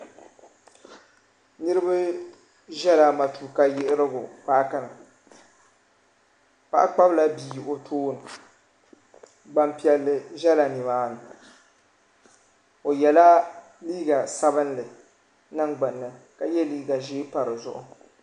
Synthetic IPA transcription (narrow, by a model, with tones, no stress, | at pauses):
nɨ˦ɾɨ˦ba˦ | ʒɛ˦la˨ma˨tu˨ka˦jɪ˦ʔɪ˦ɾɨ˦ɡʊ̰˨paː˦ka˦nɨ˨ | pa̰˨ʔa˦k͡pa˦bla˦biː˨o˨tʰoː˦nɨ˨ | ɡ͡ba˨mpi˨ɛ˨lːɨ˨ʒɛ˦la˨nɨ˨maː˦nɨ˨ | o˨jɛ˨la˦ | liː˦ɡa˨sa˦bɨ˦nlɨ˨ | na˦ŋɡ͡ba˨nːɨ˦ | ka˦jɛ˦liː˦ɡa˨ʒiː˦pa˨ɾɨ˨zʊ̰˦ʔʊ˨